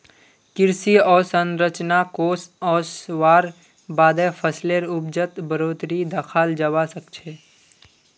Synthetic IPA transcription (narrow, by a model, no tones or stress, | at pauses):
kɪɾsiɔːɾsə̃nɾət͡ʃnakoːsɔːsʋaːɾ | baːd̪epʰəsleɾʊb̚d͡ʒət̪bəɾoːd̪ɾid̪ʱəkʰaːld͡ʒəwasəkt͡ʃʰeː